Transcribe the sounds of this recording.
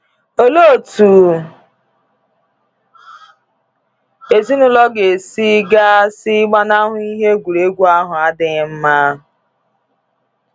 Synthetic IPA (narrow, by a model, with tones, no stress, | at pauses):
o˦lo˦˨tu˨ | e˨zi˦nʊ˦lɔ˦ɡe˨si˦ɡa˦si˦ɡ͡ba˦na˦ɦʊ˨i˦ɦe˦ɡʷu˨ɾe˦ɡʷu˦a˦ɦʊ˨a˦dɪ˨ɣɪ˦m̩˦ma˦ɦ